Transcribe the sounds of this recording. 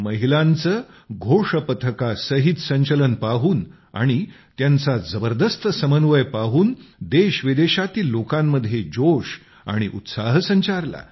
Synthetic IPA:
məɦilãnt͡səː | ɡʱoʂəpət̪ʰəkasəɦit̪səɲt͡ɕələnpaɦuːn | a̰ɽ̃i | t̪jant͡sad͡zəbəɾd̪əst̪ʰəsəmənʋəjpaɦuːnd̪eɕʋid̪eɕat̪iːlːokãmːəd̪ʱjed͡ʑoʂ | a̰ɽ̃iʔṵt̪saɦsəɲt͡ɕaɾla̰

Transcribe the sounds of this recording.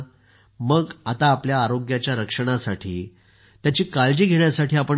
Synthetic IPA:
məɡat̪aːpljaːɾoɡjat͡ɕjaɾəkʂəɽ̃asaʈʰḭː | t̪jat͡ɕiːkald͡ʑiːɡʱeɳjasaʈiːapə

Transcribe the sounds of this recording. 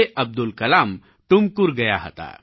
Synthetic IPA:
eʔəb̚d̪ulkəlam | ʈumkuɾɡəjaɦə̰t̪a̰

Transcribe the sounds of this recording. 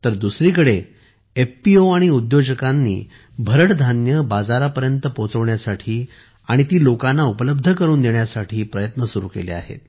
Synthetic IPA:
t̪əɾd̪usɾikəɽe | efpioaɽ̃iud̪jod͡ʑəkanːḭː | bʱəɾəʈd̪ʱanjəbad͡zaɾapəɾjənt̪əpot͡səʋɳjasaʈʰiː | aɽ̃it̪iːlokanːaupələb̚d̪ʱəkəɾuːnd̪eɳjasaʈʰiːpɾəjət̪nəsuɾṵkḛlḛa̰ɦḛt̪

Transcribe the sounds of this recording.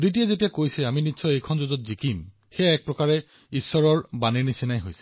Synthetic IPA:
dit̬ijɛzet̬ijakojsɛaminitːsʰɔejkʰɔnzozɔt̚zikim | xejaɛk̚pɹɔkaɹɛ | isːɔɹɔɹbaneɹnisinajɦojsɛ̥

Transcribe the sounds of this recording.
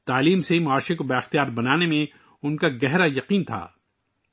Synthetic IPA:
t̪aːliːmsemʊaːʃẽkobaːɪxt̪ijaːɾbɐnaːnemẽ | ʊnkaɡɛɦɾajɐqiːnt̪ʰa̰ː

